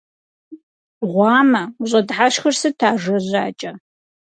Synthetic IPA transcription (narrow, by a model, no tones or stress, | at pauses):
ʁʷɑːmɐuɕʼɐdħaʃxɐrsɨtʰaːʒɐʑaːt͡ʃʼɐ